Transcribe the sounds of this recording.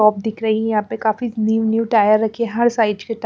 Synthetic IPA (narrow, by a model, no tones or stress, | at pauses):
ɔːp̚d̪ɪkʰɾɐɦijɐɦãːpekaːfiniːʋnjuːʈaːjəɾːɐkʰieɦɐɾsaːɪd͡ʒkeʈ